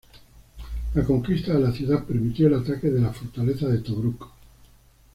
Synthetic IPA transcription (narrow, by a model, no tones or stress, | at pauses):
lako̞ŋkist̪aðelaθjuðape̞ɾmit̪joelat̪ake̞ðe̞lafo̞ɾt̪ale̞θaðe̞t̪oβɾuko̥